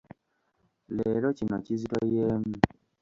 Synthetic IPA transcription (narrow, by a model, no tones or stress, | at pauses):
leɾocinociziɾɔjeːmu